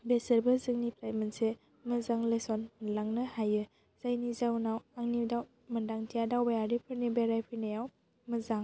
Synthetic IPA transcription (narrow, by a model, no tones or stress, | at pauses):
besɯɾbɯzɯŋnipɾajmɯnse | mɯzaŋlesɔnmlaŋnɯhajɯ | z̥ajnizawnawaŋnidaw | mɯndaŋtʰijadawbajaɾipʰɯɾnibaɾajpʰɯnajaw | mɯzaŋ